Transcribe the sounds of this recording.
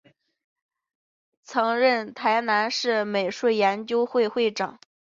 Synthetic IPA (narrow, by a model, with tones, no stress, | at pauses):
t͡sʰɤ˧˥ŋɻə˥˩nt̪ʰa˧˥ɪna˧˥nʂɻ̩˥˩me˨˩ɪʂu˥˩jɛ˧˥nt͡ɕjo˥ʊxwe˥˧ɪxwe˥˩ɪʈ͡ʂɑ˨˩˦